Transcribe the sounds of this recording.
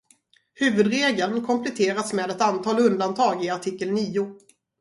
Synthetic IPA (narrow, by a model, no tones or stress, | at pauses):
hʉ̟ːvɵd̪ɾeːɡləlnkʰɔmpʰlɛt̪ʰeːɾasmeːd̪ɛt̪ant̪ʰɑːlɵnd̪ant̪ʰɑːɡɪaʈʰɪkːəlniːʊ